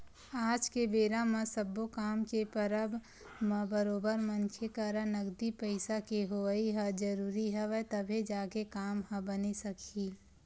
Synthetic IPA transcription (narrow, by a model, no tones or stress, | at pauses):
aːd͡ʒkebeːɾãmɐ̃səbokaːmkepəɾəb | mɐ̃bəɾoːbəɾmənkʰekaɾãnɐɡd̪ipəɪsakeɦoəiɦad͡ʒəɾuːɾiɦɛʋɛt̪ɐbʱed͡ʒaːkekaːmɦɐ̃bənisɐkʰiː